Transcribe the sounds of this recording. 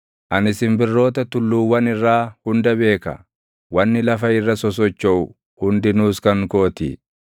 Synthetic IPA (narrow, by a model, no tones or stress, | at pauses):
ʔɐnɪsɪmbɪrːo̞ːt̪ɐt̪ʊlːuːwːɐnɪrːaːhʊnd̪ɐbe̞ːkɐ̰ | wɐnːɪlɐfɐɪrːɐsɔs̬ɔt͡ʃːɔʔʊ | hʊnd̪ɪnuːskɐŋkoːt̪ḭ